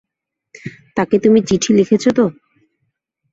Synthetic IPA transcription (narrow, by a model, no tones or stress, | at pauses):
t̪aket̪umit͡ɕiʈʰilekʰet͡ɕʰot̪o